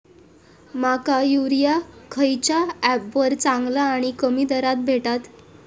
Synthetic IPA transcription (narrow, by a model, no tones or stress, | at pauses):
makajuɾijakʰəjt͡ɕjaɛpʋəɾt͡sãŋɡlaːɽ̃ikəmiːd̪əɾat̪̚bʱeʈat̪